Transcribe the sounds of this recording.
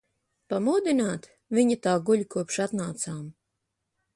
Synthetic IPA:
pamud̪inaːt̪ | viɲat̪aːɡuʎʲkuɔpʃat̪naːt̪saːm

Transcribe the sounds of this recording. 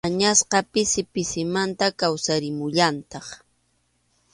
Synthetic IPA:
aɲasqɑpɪsɪpɪsɪmant̪akawsaɾɪmʊʎant̪ɑχ

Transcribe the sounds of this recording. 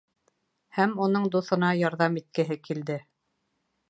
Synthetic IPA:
hæmunɤɴd̪uθɤ̆nɑjɑɾðɑmit̪̚kɘ̆ɦɘkild̪ɘ

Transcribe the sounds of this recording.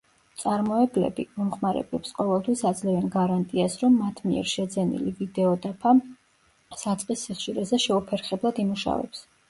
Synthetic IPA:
t̪sʼaɾmɔɛblɛ̰bimɔmχmaɾɛ̰blɛpsqʼɔvɛlˠt̪ʰwisad̪zlɛvɛnɡaɾant̪ʼiasɾɔmːat̪ʰmiɛ̰ɾʃɛd̪zɛnḭlivid̪ɛɔd̪apʰa | sat̪sʼqʼisːiχʃiɾɛzɛʃɛupʰɛɾχɛblˠad̪imuʃa̰vɛ̰ps

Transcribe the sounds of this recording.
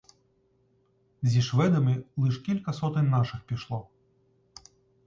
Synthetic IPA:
zʲiʂvɛd̪ɐmʲɨlˠɨʂkʲilʲkɐsɔt̪ɨnʲːaʂɨxpʲiʂlˠɔ

